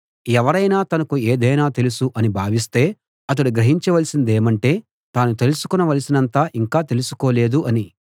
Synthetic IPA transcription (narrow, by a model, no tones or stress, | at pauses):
ɛʋɐɾɐjnaːt̪ɐnɐkueːd̪ɐjnaːt̪e̞lusuʔɐnibʱaːʋis̬t̪e̞ː | ɐt̪̬ɐɽuɡɾɐɦiɲt͡ʃɐʋɐlisind̪e̞ːmɐɳʈe̞ː | t̪aːnut̪e̞lusu̥kunɐʋɐlisinɐnt̪aːʔiŋkaːt̪e̞lusu̥ko̞ːle̞ːd̪uʔɐni